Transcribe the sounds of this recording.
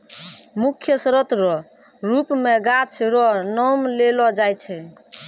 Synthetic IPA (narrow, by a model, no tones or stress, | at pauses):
mukʰjəsɾət̪ɾɔ | ɾupmeɡat͡ʃʰɾɔnɔmlelɔd͡ʒajt͡ʃʰɛ